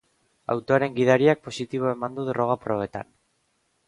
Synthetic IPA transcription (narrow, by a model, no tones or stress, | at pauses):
a̰wt̪oaɾe̞ŋɡiðaɾiak̚po̞sit̪iβoe̞mand̪uðero̞ɣ̞apɾo̞β̞e̞t̪a̰n